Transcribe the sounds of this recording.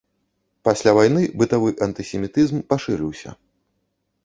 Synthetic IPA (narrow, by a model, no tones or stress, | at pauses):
pasʲlʲavajnɨbɨt̪avɨʔɐnt̪ɨsʲɛmʲit̪ɨzmpaʂɨɾɨwsʲɐ̰